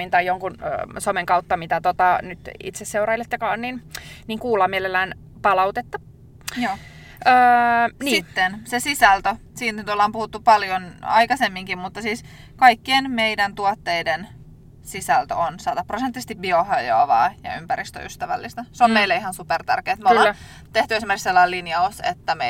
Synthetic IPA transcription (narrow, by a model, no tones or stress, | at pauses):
int̪ɑjjoŋkunsomeŋkɑut̪ːɑmit̪æt̪ot̪ɑnyt̪ḭt̪sesːeurɑilːet̪jokɑonninniːŋkuːlɑːmielelːæːn | pɑlɑwt̪et̪ːɑ | jjoː | øːnisit̪ːensesisælt̪øsiːnnyt̪olːɑːmpuhut̪ːupɑljonɑ̰jkɑsemːiŋkimmut̪ːɑsiːs | kɑikːienmeidænt̪uɑt̪ːeiden | sisælt̪ø̰onsɑːd̪ɑpːrosent̪ːˑisest̪ipbiohɑjo̰ɑʋɑ̰ːjɑ̰ympæɾist̪ø̰yst̪æʋæ̰lːist̪æseomeilːæihɑnsupert̪æ̰rkeːt̪moɑlː | t̪eht̪yes̬imerkikselːɑilinjɑusḛt̪ːæme